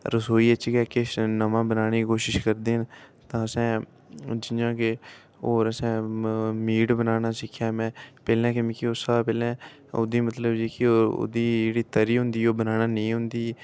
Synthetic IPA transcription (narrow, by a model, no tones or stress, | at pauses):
ɾəsoːiːət͡ʃikɛːkenəʋãːbənaːɽ̃eːkiːkoːʃɪʃkəɾd̪eːɦənt̪ãːəsɛ̃ː | d͡ʒɪjãːke | oːɾəsɛ̃ːmiːʈbənaːnaːsɪkʰːjaːmɛ̃ːpɛːlɛ̃ːkɪmĩːkiosapɛːlɛ̃ː | o̰d̪iːmət̪ləbd͡ʒiːkeoːɾo̰d̪iːd͡ʒeːɽiːt̪əɾiːɦʊ̃nd̪iːoːbənaːnaːnəĩːɦʊ̃nd̪iː